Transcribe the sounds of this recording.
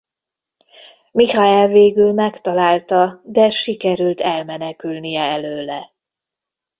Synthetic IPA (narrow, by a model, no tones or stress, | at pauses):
mihaɛlveːɡylmɛkt̪ɒlaːlt̪ɒd̪ɛʃikɛɾylt̪ɛlmɛnɛkylnijɛɛløːlɛ